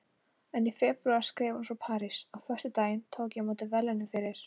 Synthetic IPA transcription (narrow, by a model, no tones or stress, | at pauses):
ɛnifɛpɾʉaɾ̥skɾɛːvhanfɾawpʰaːɾisawfœ̥t̪ʏt̪aːjɪnt̪ʰoːwkjɛmaːt̪ɪvɛlːɛnʏfɪɾɪɾ̥